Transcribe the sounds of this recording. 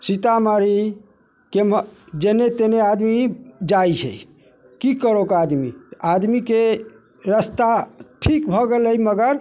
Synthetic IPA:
sit̪amaɾi | kemd͡ʒenet̪enead̪mid͡ʒajt͡ʃʰə̰j | kikəɾokad̪mḭad̪mike | ɾəst̪aʈʰikbʱɔɡeləjməɡəɾ

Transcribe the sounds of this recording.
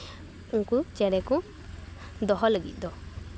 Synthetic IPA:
uŋkut͡ʃɛɾɛku | d̪ɔɦɔləɡḭt̪̚ˀd̪ɔ

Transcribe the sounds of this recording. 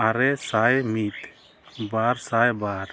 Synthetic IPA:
aɾɛsajmit̪ | baɾsajbaɾ

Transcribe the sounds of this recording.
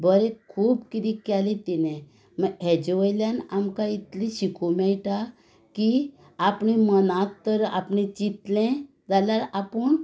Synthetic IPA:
bəɾekʰuːbkit̪ikalet̪inẽ | məɦɛd͡ʑʋəjljanamkait̪liɕikʰomɛɭʈa | ki | apɳimənat̪ːəɾa̰pɳẽt͡ɕit̪lɛ̃ | d͡zaljaɾapəɳ

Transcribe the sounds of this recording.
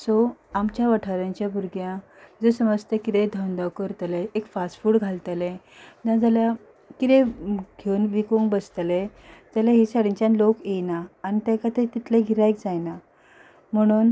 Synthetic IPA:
sɔamt͡ɕjaʋaʈʰaɾjãɲt͡ɕjabuɾɡjã | d͡zosəməst̪ekit̪ed̪ʱəwnd̪əwkəɾt̪leekfasfuːɽɡʱalt̪əlẽ | dãd͡zalja | kit̪ẽɡʱeunʋikoŋɡbəst̪lẽd͡zalaɦisaɽiɲt͡ɕãnlokejnaːnit̪ɛ̃kat̪et̪it̪lẽɡʱiɾajk̚d͡zajna | m̤əɽ̃uːn

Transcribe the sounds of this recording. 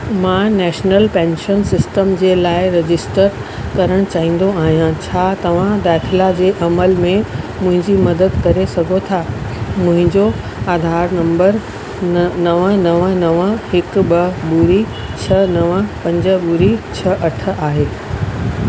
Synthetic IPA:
mãnɛːʃnəlpɛ̃ːnʃənsɪsʈəmd͡ʑeːlaːɪɾed͡ʑɪsʈəɾ | kɐɾəɽ̃t͡ɕaːɦĩːn̆d̪oaːɦijãt͡ɕʰaːt̪ɐʋ̤ãd̪aːt̪ʰɪlad͡ʑeːʔɐməlmẽ | mʊ̃ɦɪ̃ɲd͡ʑimɐd̪əd̪kɐɾesɐɡʱot̪ʰamʊ̃ɦɪ̃ɲd͡ʑo | aːd̪ʱaːɾnɐ̃mbəɾ | nɐʋənɐʋnɐʋəɦɪkɓɐbuɾi | t͡ɕʰɐnɐʋpɐ̃ɲd͡ʑə̆ɓuːɾit͡ɕʰɐʔɐʈʰə̆ʔaːɦeː

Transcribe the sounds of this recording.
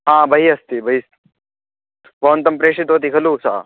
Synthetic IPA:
ɦãːbɐɦiɐst̪ibɐɦis | ʋɐʋɐnt̪ɐmpɾeːʂit̪oːt̪ikʰɐlusa

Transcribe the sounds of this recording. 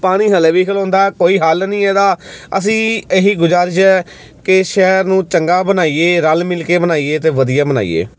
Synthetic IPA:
paːɽ̃iːɦəleːʋiːkʰəlõːnd̪aːɛːkoːiːɦaːlnĩːɛːd̪aːəs̬ĩːeɦiːɡʊd͡ʒaːɾʃɛː | kɪʃɛːɾnũːt͡ʃəŋɡaːbənaːiːeːɾəlmɪlkeːbənaːiːeːt̪eːʋəd̪ijaːbəna̰ːḭːḛː

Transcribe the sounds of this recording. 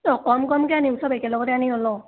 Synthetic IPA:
dɔkɔmkɔmkɛaniusʰɔbakɛlɔɡɔtɛaniɔlɔ

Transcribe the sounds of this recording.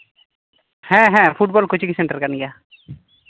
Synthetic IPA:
hɛ̃ɦɛ̃pʰuʈ̚bɔlkot͡ʃʰikisɛɳʈəɾkaniɡa

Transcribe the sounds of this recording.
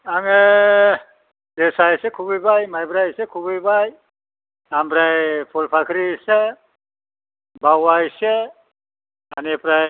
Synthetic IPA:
aŋe | desajsekʰuɡɯjbajmajbɾajsekʰubɯjbaj | ambɾajpʰɔlpʰakʰɾise | bawajse | anepɾaj

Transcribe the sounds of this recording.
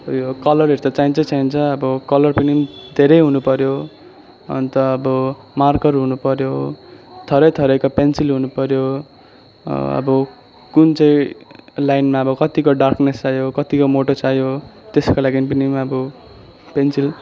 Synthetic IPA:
jokʌlʌrɦeɾut̪at͡saint͡sʌt͡saint͡sʰʌʌbʌkʌlʌrpinimd̪ʱeɾʌjɦunupʌɾjo | ʌ̰nt̪ʌːbʌ | markʌrɦunupʌɾjot̪ʰʌɾʌjt̪ʰʌɾʌjkopensilɦunupʌɾjo | ʌ̰bʌ | kunt͡sʌj̃lajnmaʌbʌkʌt̪ikoɖarknesajokʌt̪ikomoʈosajot̪eskolaɡinpinimʌbʌ | pensil

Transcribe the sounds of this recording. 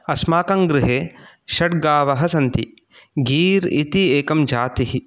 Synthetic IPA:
ɐsmaːkɐŋɡɾɪɦeːʃɐʈ̚ɡaːʋɐɦɐsɐnt̪i | ɡiːɾḭt̪ieːkɐmd͡ʒaːt̪iɦi

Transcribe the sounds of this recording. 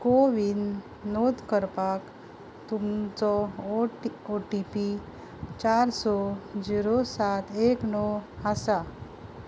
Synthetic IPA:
koʋinː | ɔd̪kəɾpak | t̪umt͡sɔ | oʈipi | t͡ɕaɾsɔd͡ʑiɾosat̪ʰeknɔasa

